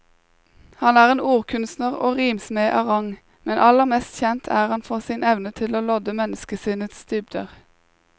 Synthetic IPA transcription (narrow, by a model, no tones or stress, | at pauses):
hɑnæːʁeːnuːʁkʰʉnst̪nəʁo̰ːʁiːmsmeːʔɑʁɑŋ | mɛnʔɑləʁmɛst̪çɛnt̪ʰæːʁhɑnfoːʁsiːnɛʋnət̪ʰɪloːlɔd̪əmɛnəskəsiːnət̪sd̪̥ʏːb̚d̪ø̰ʁ